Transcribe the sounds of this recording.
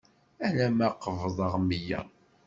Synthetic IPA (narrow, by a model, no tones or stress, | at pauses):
ænæmæqːəvðˤəʁmijæ̰